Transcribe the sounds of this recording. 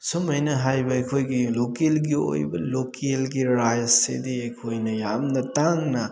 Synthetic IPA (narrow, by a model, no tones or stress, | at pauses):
sumɐjnɐɦajbɐejkʰojɡilokelɡio̰jbɐlokʰelɡiɾajsḛdiejkʰojnɐjamnɐtaŋnɐ